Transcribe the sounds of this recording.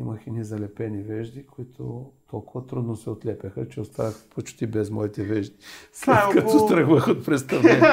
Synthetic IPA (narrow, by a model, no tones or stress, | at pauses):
imɐxɛnizɐlɛpɛnivɛʒd̪ikʰoit̪ʰot̪ʰɔlˠkʊvɐt̪ɾud̪nosɛot̪lɛpʲɐxət͡ʃɛost̪a̰vɐxpot͡ʃt̪ibɛzmɔit̪ɛvɛʒd̪islɛkɐt̪ost̪ɾəxvəxot̪̚pɾɛst̪ɐvlɛn